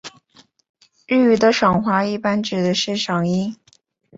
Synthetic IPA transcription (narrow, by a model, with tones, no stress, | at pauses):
ɻy˥˩y˧˥d̪ə˧ʂɑ˨˩ŋxwa˧˥i˥˧pa˥nʈ͡ʂɻ̩˨˩d̪ə˦ʂɻ̩˥˩ʂɑ˨˩ŋi˥